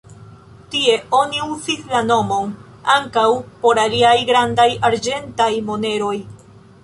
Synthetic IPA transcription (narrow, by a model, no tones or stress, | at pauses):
tie̞o̞niuzislano̞mo̞n | aŋkawpo̞ɾaliajɡɾandajaɾd͡ʒe̞ntajmo̞ne̞ɾo̞j